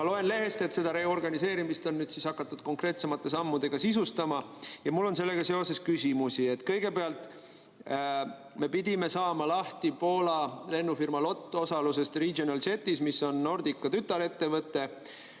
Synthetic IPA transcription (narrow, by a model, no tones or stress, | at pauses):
mɑlo̞e̞nle̞ɦe̞st̪e̞t̪se̞d̪̥ɑɾe̞orɡ̥ɑnise̞ːɾimist̪o̞nːyːd̪̥sisɑkːˑɑt̪ːˑud̪̥ko̞ŋkre̞ːt̪se̞mɑt̪ˑːe̞sɑmːud̪̥e̞ɡ̥ɑsisust̪ɑmɑjɑmulːo̞ns̬e̞lːe̞ɡ̥ɑse̞o̞se̞skysimusie̞t̪ːˑkɤ̞jɡ̥e̞peɑlt̪ˑ | me̞pid̪̥ʲime̞sɑːmɑlɑht̪ipo̞ːlɑle̞nːufirmɑlo̞t̪ːˑo̞sɑluse̞st̪riɡonɑlse̞t̪ːˑismisːo̞nːo̞rd̪̥ikːɑt̪yt̪ːˑɑle̞t̪ːe̞vɤt̪ːˑe̞